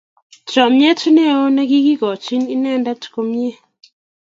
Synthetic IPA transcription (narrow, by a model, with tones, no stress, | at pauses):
t͡ʃɔ˨mɲe˦tu˦ne˦o˦na˦ɡi˦ɡi˦ɡɔ˨t͡ʃi˦ni˦nɛ˦˨nda˦tko˨mje˦